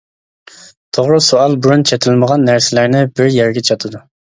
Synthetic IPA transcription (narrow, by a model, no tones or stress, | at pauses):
t̪ʰoʁɾɨsoɑlˠbuɾunt͡ʃʰet̪ʰɪlməʁɑnːæɾsɪlæɾnɪbɪɾjɛɾɡʲɛt͡ʃʰɑt̪ʰɨd̪u